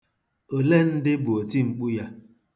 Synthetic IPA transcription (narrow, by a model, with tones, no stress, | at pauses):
o˨le˦n̩˦dɪ˦bʊ˨o˨ti˦ŋ͡m̩˨k͡pu˦ja˦